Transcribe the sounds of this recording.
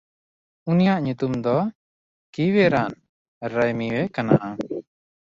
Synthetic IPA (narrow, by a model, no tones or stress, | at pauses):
unijaʔɲut̪umd̪ɔ | kiwɛɾan | ɾajmiwɛkanaʔa